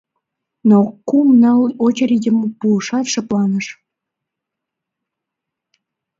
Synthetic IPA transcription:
nokumnɑlot͡ɕeɾid̪ʲəməpuəʃɑt̪ʃəplɑnəʃ

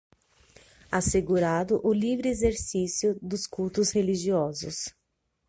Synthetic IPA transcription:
aseɡuɾad̪ʊʔʊlivɾɪezeɾsisjʊd̪ʊskuwt̪ʊsheliʒiɔzʊs

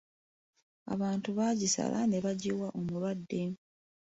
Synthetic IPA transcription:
a̰βaːntuβaːɟisa̰lʔa̰ne̞βaɟiwaʔomulwadːe̞

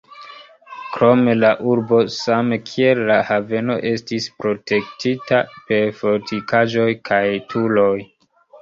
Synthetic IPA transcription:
kɾo̞me̞laʔuɾbo̞samekʰie̞lːahave̞no̞̰ʔe̞stispɾo̞tʰe̞k̚titape̞ɾfotʰikaʒo̞jkʰajtʰulo̞j

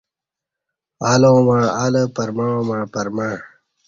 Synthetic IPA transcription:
alõːmaːaləpɐɾmaõmaːpɐɾmaː

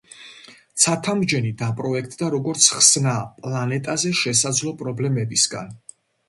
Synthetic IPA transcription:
t̪sʰat̪ʰamd͡ʒɛnid̪apʼɾɔɛkʰt̪ʼd̪aɾɔɡɔɾt̪sʰχsnapʼlˠanɛt̪ʼazɛʃɛsad̪zlˠɔpʼɾɔblɛmɛbisɡa̰n

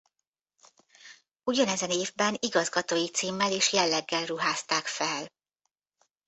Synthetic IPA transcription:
uɟɒnɛzɛneːvbɛniɡɒzɡɒt̪oːjit̪siːmːɛleːʃjɛlːɛɡːɛlruɦaːst̪aːkfɛl

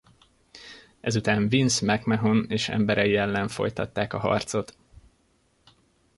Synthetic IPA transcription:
ɛzut̪aːɱvinsmɛkmɛɦoneːʃɛ̰mbɛɾɛjiɛlːɛɱfo̞̰jt̪ɒt̪ːaːkɒɦɒ̰rt̪so̞t̪

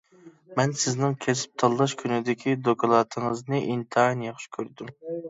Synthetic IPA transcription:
mɛnsɪznɪŋkʲʰesɪ̥p̚t̪ʰɑlˠːɑʃkʲʰynɪd̪ɪkʲʰid̪okʰɑlˠɑt̪ʰɨŋəznɨʔint̪ʰɨɦɑnjeχʃkʲʰøɾd̪ym

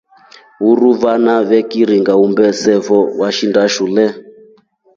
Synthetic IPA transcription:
uɾuβanaβɛkiɾiŋɡaumbɛsɛvɔwaʃindaʃulɛ

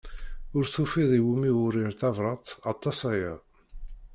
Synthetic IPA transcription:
ʊɾθufiðˤiwumiwʊɾiɾθɑvɾˤɑt̪ˤɑt̪ˤːɑsæjæ̰

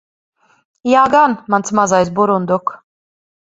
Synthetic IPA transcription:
jaːɡanmantsmazajs̬buɾund̪uk

